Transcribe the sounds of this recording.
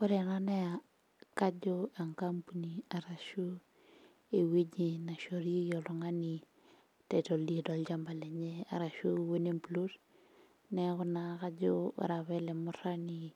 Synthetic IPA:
ko˦ɾe˨na˦na˦ja˨ | ka˦d͡ʒo˦a˨ŋka˦mpu˦ni˨a˨ɾa˨ʃu˦ | e˨we˦d͡ʒi˨na˨ʃo˨ɾi˦e˦jo˨lo˨ŋa˦ni˨ | te˨to˨ldi˦e˨do˨ld͡ʒa˦mba˨le˨ɲe˦a̰˨ɾa˨ʃu˦we˦ne˦mplu˦ɾ | ne˦kʊ˦na˨ka˦d͡ʒo˦a̰˨ɾa˨βe˦le˨mu˦ɾa˦ni˨

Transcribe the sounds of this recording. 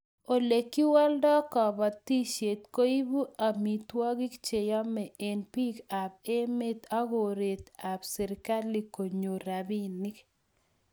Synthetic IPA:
o˨le˨kːi˦wɔ˦ldɔ˦kɔ˨ba˨t̪i˦ʃe˨t̪ko˦i˦bu˦a˨mi˨t̪wɔ˦ɡi˦kt͡ʃe˨jɔ˦mɛ˨e˨npi˦ka˨pe˦me˦t̪a˦ɡo˨ɾe˨t̪a˨psɛ˨ɾɪka˦li˦ko˨ɲo˨ɾa˨bi˦ni˦k

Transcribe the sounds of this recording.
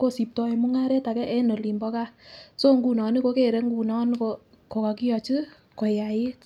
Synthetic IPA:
ko˦˨si˨p̚tɔ˧e˨mu˦ŋa˦ɾe˦ta˨kɛ˦ʔɛ˦no˨li˨mbɔ˦ka˦so˦ŋɡu˨nɔ˨ni˦ko˧˦ke˦˨ɾe˦ŋɡu˨nɔ˦n˦ko˧ | ko˨ka˧ki˦jɔ˧t͡ʃi˦ | kɔ˨ja˨je˦t

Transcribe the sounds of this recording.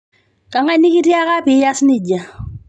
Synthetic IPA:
ka˨ŋa˦ni˦ki˦ti˦a˦ka˦pɪ˨˦ja˦snɪ˦˨ɟa˨

